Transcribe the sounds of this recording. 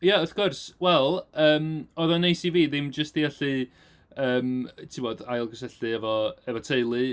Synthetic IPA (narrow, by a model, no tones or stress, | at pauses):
jaɔfkʰʊrswɛlˠəːmɔðɔnejsiviːðɪmd͡ʒəstiɛɬɨ | əːmtʰɪmɔːdajlˠɡə̥s̬ɛɬɨɛvɔɛvɔtʰejlˠɨ